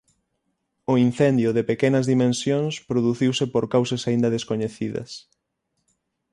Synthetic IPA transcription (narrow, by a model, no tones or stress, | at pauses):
ʊin̟θend̪jʊðepekenɐzðimẽnsjõŋspɾoðuθiwsɪpoɾkawsɐsaind̪ɐðeskoɲeθiðɐ̰s